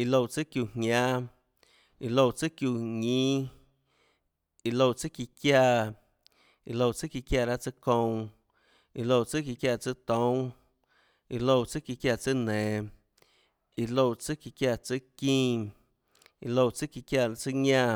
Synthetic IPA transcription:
i˧lo˧˨t͡sɨ˦kju˧˨ɲɲã˦ | i˧lo˧˨t͡sɨ˦kju˧˨ɲĩː˦ | i˧lo˧˨t͡sɨ˦ki˧kja˧˨ | i˧lo˧˨t͡sɨ˦ki˧kja˧˨ɾa˦t͡sɨ˦kõ˧w̃ | i˧lo˧˨t͡sɨ˦ki˧kja˧˨t͡sɨ˦t̪õ˦w̃ | i˧lo˧˨t͡sɨ˦ki˧kja˧˨t͡sɨ˦nɛ̃ː˨ | i˧lo˧˨t͡sɨ˦ki˧kja˧˨t͡sɨ˦kĩː˦ | i˧lo˧˨t͡sɨ˦ki˧kja˧˨˧t͡sɨ˦ɲã˦˧

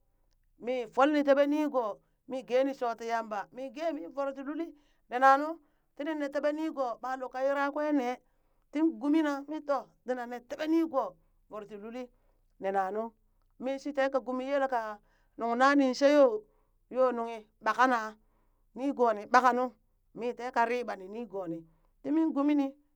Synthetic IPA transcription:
mi˨fo˦lni˨te˦be˦ni˦ɡo˨ | mi˦ɡe˦ni˨so˨ti˨ja˦mba˨mi˦ɡe˦mi˦vo˨ɾt̬i˨lu˦li˦ | ne˨na˨nu˦ | ti˦ni˦ne˨te˦be˦ni˦ɡo˨ba˨lo˨kːa˨ji˦ɾa˦kwe˦ne˨ | ti˦nɡu˦mi˦na˦mi˦to˨di˨˦na˨ne˨te˦be˦ni˦ɡo˨ | vo˨ɾti˨lu˦li˦ | ne˨na˨nu˦ | mi˦si˦te˦ka˨ɡu˨mi˦je˦lo˨ka˨ | nu˨ŋ˨na˦ni˨n˨ʃe˦jo˦ | jo˦nu˨ŋi˨ | ɓa˨ka˦na˨ | ni˦ɡo˨ni˨ɓa˨ka˨nu˦ | mi˦te˦ka˨ɾi˦ba˨ni˨ni˦ɡo˨ni˨ | ti˦mi˦nɡu˦mi˦ni˦

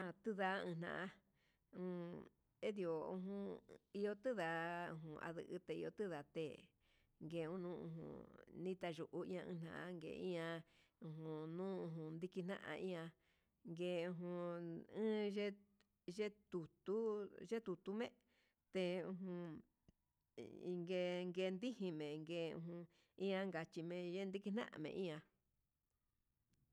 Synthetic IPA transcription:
ã˧˨t̪ɨ˦ða˧˦ɨ̃˧n̥ã̰˧˨ʔã˧ | ũ˧˨˧ | e˦ði˧˨o˨ṵ̃˧ɦũ˧i˧o˧t̪ɨ˦ða˧ṵ̃˧ɦũ˧ʔa̰˧ðɨ̰˧ʔɨ̰˧t̪e˧ḭ˧o˧t̪ɨ˦ða˧t̪ḛ˨ | ŋɡeː˨ũ˦nũː˦ṵ̃˧ɦṵ̃˧˨nĩ˦t̪a˧ʒu˧ʔu˧ĩ˦ã˧ɨ̰̃˧n̥ã̰˧ʔa̰˧ŋɡḛ˨ĩ˦ã˧ | ũ˧ɦũ˧nũː˦ũ˧ɦũ˧nd̪i˧ki˧n̥nã̰˦ʔã̰˧ʔĩ˦ã˧ | ŋɡe˧ũ˧ɦũ˧ɨ̃ː˦ʒe˦ | ʒe˦t̪u˨t̪u˦ʒe˦t̪u˨t̪u˦mḛ̃˦ | t̪e˧ũ˧ɦũ˧ | i˧ŋɡe˧ŋɡe˧nd̪i˦hĩ˧mẽ˨ŋɡeː˧˨˧ṵ̃˧ɦ | ĩ˦ã˧ŋɡa˨t͡ʃi˧mẽ˧ʒe˦nd̪i˦ki˧˦n̥ã˦ʔã̰˧mḛ̃˧ʔĩ˦ã˧

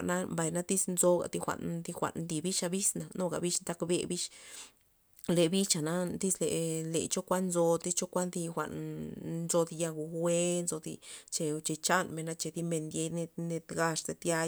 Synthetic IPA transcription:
a˨na˦mba˨jna˦t̪i˦snzo˧ɡa̰˨d̪i˧xʷa̰˨nd̪i˧xʷa̰˨nd̪i˧bi˦ʃa˧bi˦sna˨no˦ɡa̰˨bi˦ʂnt̪a˧˦kbḛ˧bi˦ʃ | le˨bi˦t͡ʃa˨na˦d̪i˦sle˨lḛ˨t͡ʃo˦kʷa˦nnzo˧t̪i˦t͡ʃo˦kʷa˦nd̪i˧xʷa̰˨nnzo˧d̪i˧ja˧ɡu˨wʷe˦nzo˧d̪ḭ˧t͡ʃe˧t͡ʃe˧t͡ʃa˦nme˨na˧t͡ʃe˧d̪i˦me˧nd̪je˧ne˧ne˧t̪ɡa˧ʂze˧t̪ja˧

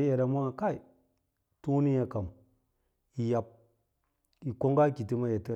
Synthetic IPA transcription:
je˨da˨ma˦˨ka˦i˨ | tu˦ni˦ja˨ka˨m | i˨ja˨p̚ | i˨ko˦ŋɡa˦ki˨ti˦ma˦ja˨tə˦

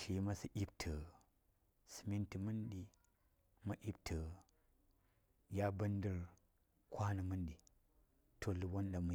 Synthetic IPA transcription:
ʃi˦ma˦si˦ʔi˦b̚tʰə˨ | sɨ̥˨mi˦nti˨mɨ˦nɗi˦ | ma˦ʔi˦btʰə˨ | ja˦bə˦ndə˦ɾ | kʰʷa˦nɨ˨mɨ˦nɗi˨ | tʰo˨lu˨wo˦nɗa˨mu˨

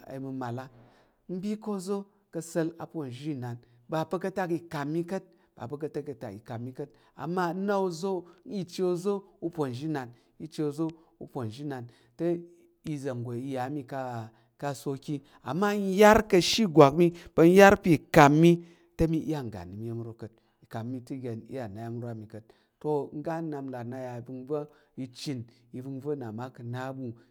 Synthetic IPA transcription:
a̰˨˧mu˧ma˨la˦ | m̩˦bʲi˦ko˦˨zo˦ | kɐ˧sɐ˧la˨po˨n˨ʒi˦˨na˨n | ba˨pɐ˧kɐ˦˧ta˦ki˧ka˨mːi˦kɐ˦t̚ | b̥a̰˨pɐ˧k̬ɐ˧ta˦ki˨˧ta̰˨kḭ˨ka˨mːi˦kɐ˦t̚ | a̰˨mːa˦na˦o˧zo˦i˦t͡ʃe˦o˦˧zo˦u˦pʷo˨n˨ʒi˦na˨n | i˧t͡ʃe˧o˧˨zo˦ | ṵ˧po˨n˨ʒi˦na˨n | tɐ˦ | i˧zɐ˨ŋ˨ɡo˨i˧ja˨˦mi˧ka˧ | ka˧so˧kʲi˦ | a̰˨mːa˦n˦ja˦ɾkɐ˧ʃi˦ɡʷa˨kmi˦pɐ˧n̩˦ja˦ɾpi˦˨ka˨mːi˦ | tɐ˦mi˧ʔja˦˨ŋ̩˨ɡa̰˨ni˨mi˦je˦m˦ɾo˨kə˨t̚ | i˨ka˨mːi˦˧ti˦ɡʲe˨nḭ˦ja˨na˨ja˦m˦ɾa˨mi˨kə˨t | to˧ŋ̩˦ɡa˦na˧m˦la˨na˧ja˧i˨bɨ˧nb͡va˦i˧t͡ʃi˧n | i˧bɨ˧nvɐ˦na˨ma˦kɨ˨˧na˦bu˧

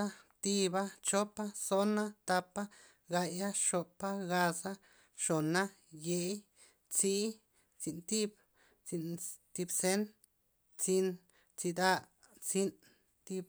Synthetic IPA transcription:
a˦t̪i˧ba˦t͡ʃo˦pa˦so˦na˦t̪a˧pa˦ | ɡa˧ja˦ʃo˧pa˦ɡa˧sa˦ | ʃo˨na˦ | je˧j | t͡si˦ | t͡si˧˨nt̪i˦b | t͡si˧nt̪i˧bse˦n | t͡si˧n | t͡si˧d̪a˧ | t͡si˦n | t̪i˧b̚

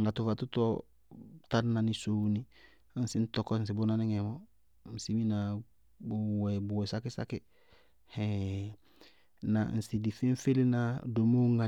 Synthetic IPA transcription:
ŋɡa˨tu˨fa˨tu˦tɔ˦ | ta˦ɾna˨ni˨so˦ni˦ | n̩˦si˦n̩˦tɔ˦kɔ˦n̩˨s̬i˨bo˦na˦ni˦ŋɛ˨mɔ˦ | n̩˨si˦mi˦na˨ | bu˨wɛ˨bu˨wɛ˨sa˦kɪ˦sa̰˦kɪ˦ | hɛ˨ | na˨n̩˨si˨di˨fi˦n˦fe˦li˦na˦do˨mo˦ŋa˨

